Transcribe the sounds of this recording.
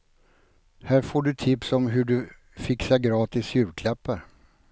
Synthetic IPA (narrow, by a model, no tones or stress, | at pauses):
hæːɾfoːɖɵt̪ʰɪpsɔmɦɵɖɵ | fɪksaɡɾɑːt̪ɪsjʉ̟ːɾkʰlɛpːə